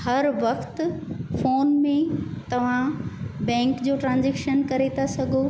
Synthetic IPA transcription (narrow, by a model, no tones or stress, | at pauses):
hɐɾʋɐxt̪foːnmẽt̪ɐʋ̤ãbɛ̃ːŋkd͡ʑoːʈɾãːnzɛːkʃənkɐɾet̪ʰasɐɡʱo